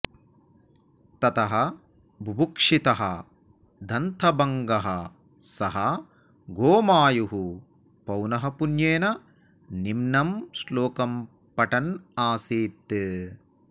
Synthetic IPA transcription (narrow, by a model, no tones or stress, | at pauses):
t̪ɐt̪ɐɦɐ | bʱubukʂit̪ɐɦɐ̰ | d̪ʱɐnt̪ʰɐbɐŋɡɐɦɐ | sɐɦɐ | ɡoːmaːjuɦu | pɐwnɐɦɐpunjeːnɐ | nimnɐmsloːkɐm | pɐʈɐnaːsiːt̪ːɨ